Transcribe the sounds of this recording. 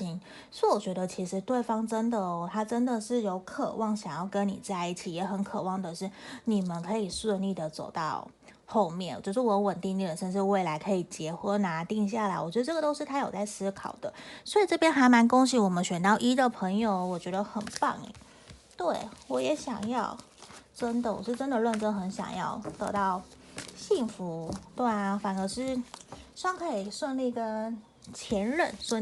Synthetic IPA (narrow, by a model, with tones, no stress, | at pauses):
i˥ŋ | swɔ˧˥wɔ˨˩t͡ɕɥɛ˧˥d̪ə˧t͡ɕʰi˧˥ʂɻ̩˧˥t̪we˥˩ɪfɑ˥ŋʈ͡ʂə˥nd̪ə˨ɔ˧t̪ʰa˥ʈ͡ʂə˥nd̪ə˨ʂɻ̩˥˩jo˧˥ʊkʰɤ̰˨˩wɑ˥˩ŋɕjɑ˨˩ŋjɑ˥˩ʊkə˦˥nnḭ˨˩t͡sa˥˧ɪi˥˩t͡ɕʰi˨˩jɛ˧˥xə˧˦nkʰɤ˨˩wɑ˥˩ŋd̪ə˨˩ʂɻ̩˥˩ni˨˩mə˦nkʰɤ˧˥i˨˩ʂwə˥˧nli˥˩d̪ə˩t͡so˨˩ʊt̪ɑ˥˧ʊ | xo˥˧ʊmjɛ̰˥˩n˨˩t͡ɕjo˥˧˩ʂ̬ɻwɔ˨˩jwə˨˩nt̪i˥˧ŋly˥˩d̪ə˨˩ʂə˥˧nʂɻ̩˥˧we˥˩ɪla˧˥ɪkʰɤ˧˥i˨˩t͡ɕjɛ˧˥xwə˥na˧˥t̪i˥˧ŋɕ̬ja˥˩la˧˥ɪwɔ˨˩t͡ɕɥɛ˧˥d̪ə˧ʈ͡ʂɤ˥ɡə˩t̪o˥ʊʂɻ̩˥˩t̪ʰa˥jo˨˩ʊt͡sa˥˩ɪsɹ̩˥kʰɑ˨˩ʊd̪ə̰˦swɔ˧˥i˨˩ʈ͡ʂɤ˥˩pjɛ˥nxa˧˥ɪma˧˥nkʊ˥ŋɕi˧˥wɔ˨˩mə˦nɕɥɛ˨˩nt̪ɑ˥˩ʊʔi˥d̪ə˨˩pʰə˧˥ŋjo˧ʊwɔ˨˩t͡ɕɥɛ˧˥d̪ə˧xə˨˩npɑ˥˩ŋ̰˨˩˦ | t̪we˥˩ɪwɔ˧˥jɛ˧˥ɕjɑ̰˨˩ŋjɑ˥˩ʊ | ʈ͡ʂə˥nd̪ə˨˩wɔ̰˨˩ʂɻ̩˥˩ʈ͡ʂə˥nd̪ə˨lwə˥˧nʈ͡ʂə˥nxə˧˥nɕjɑ̰˨˩ŋjɑ̰˥˩ʊt̪ɤ˧˥t̪ɑ˥˩ʊɕi˥˩ŋfu˧˥t̪wa˥˩n˩fa˨˩nə˧˥ʂɻ̩˥˧ʂɑ˥˩ŋkʰɤ˧˥i˨˩ʂwə˥˧nli˥˩i˧˥ɡə˩ | t͡ɕʰjɛ˧˥nɻə˥˩˨nʂwə˥˧